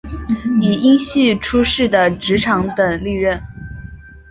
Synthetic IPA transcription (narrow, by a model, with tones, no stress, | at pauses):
i˨˩i˥ŋɕi˥˩ʈ͡ʂʰu˥ʂɻ̩˥˩d̪ə˩ʈ͡ʂɻ̩˧˥ʈ͡ʂʰɑ˧˥ŋt̪ə˨˩ŋli˥˧ɻə˥˩n